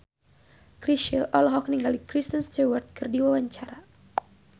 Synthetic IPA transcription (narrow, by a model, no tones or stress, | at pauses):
kɾiʃəʔɔlɦɔk̚niŋɡalikɾist̪ənst͡ʃəwərt̪̚kɨrdiwawaɲt͡ʃaɾa